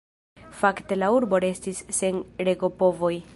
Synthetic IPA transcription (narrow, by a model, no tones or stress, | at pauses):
fakte̞lauɾbo̞ɾe̞stisːenɾe̞ɡo̞po̞vo̞j